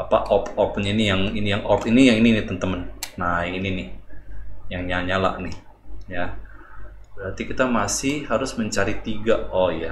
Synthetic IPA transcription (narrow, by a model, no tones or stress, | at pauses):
apaʔɔpɔp̚ɲainijaŋinijaŋʔɔpinijaŋininit̪ənt̪əmənnaiːninɪh | jaŋɲaɲala̰ʔnɪh | ja | b̥əɾat̪ikit̪amasɪhhaɾʊsməɲt͡ʃaɾit̪iɡaɔja